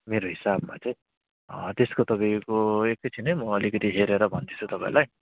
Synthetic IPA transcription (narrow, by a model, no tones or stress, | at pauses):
meɾoɦisabmat͡sʌj̃ | t̪eskot̪ʌpaikoekːʌjt͡sʰinʌjmʌːlikʌt̪iɦeɾeɾʌbʱʌnt̪it͡sʰut̪ʌpã̰ḭ̃laj